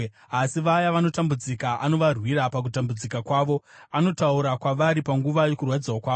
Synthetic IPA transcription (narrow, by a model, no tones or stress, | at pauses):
asiʋajaʋano̞tambud͡zikaʔano̞ʋarwiɾapak̬utambud͡zikakwaːʋo̞ | ano̞tauɾakwaʋaɾipaŋɡuʋajo̞kurwad͡zawokwaːo